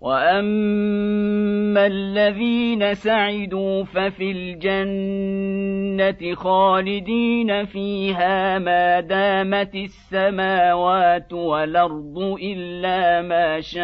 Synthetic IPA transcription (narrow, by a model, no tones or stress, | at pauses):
waʔam | alːaðiːnasaʕɪd̪uːfafiːld͡ʒan | at̪ɪxaːlɪd̪iːnafiːɦaːmaːd̪aːmat̪ɪsːamaːwaːt̪walʔɑɾˤd̪ˤʊʔɪlːaːmaːʃa